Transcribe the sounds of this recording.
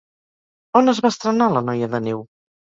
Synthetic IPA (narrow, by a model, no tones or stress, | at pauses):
onəzβast̪ɾənalənɔjəðənew